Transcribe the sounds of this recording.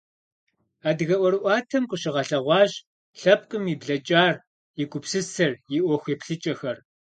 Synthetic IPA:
aːdɨɣɐʔʷɔɾɨʔʷɑːtʰɐmqʷʼʊɕɪʁɐɬɐʁʷɑːʑ | ɬɐp̚ʼkʼɨmibɮɐt͡ʃʼaːr | jɪkʷʼʊpsɨsɐrjɪʔʷɔxʷepɬɨt͡ʃʼɐxɐr

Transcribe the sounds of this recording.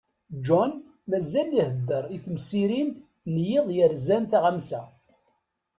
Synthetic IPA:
d͡ʒɔn | mæzælːihəd̪ːəɾˤiθmsiɾin | njɪðˤjəɾzænt̪aʁəmsæ

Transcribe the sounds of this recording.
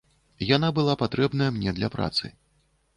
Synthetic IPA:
janabɨlˠapat̪ɾɛbnɐjɐmnʲɛd̪lʲɐpɾa̰t̪sɨ̰

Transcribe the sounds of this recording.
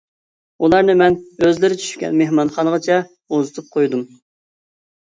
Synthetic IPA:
ulˠɑɾnɨmɛnøzlɪɾɪt͡ʃʰy̥ʃkʲɛ̰nmehmɑnχɑnəʁɑt͡ʃʰɛ | ozɨt̪ʰup̚qʰojd̪um

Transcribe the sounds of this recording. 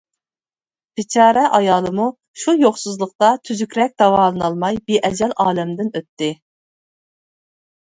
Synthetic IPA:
b̥ɪt͡ʃʰɑːɾɛʔɑjɑːlˠɨmu | ʃujoχsuzlˠəqt̪ɑt̪ʰyzykʲɾɛk̚ʲd̪̥ɑwɑːlˠɨnɑlˠmɑjbeʔɛd͡ʒɛlɑːlɛmd̪ɪnøt̪ːɪ

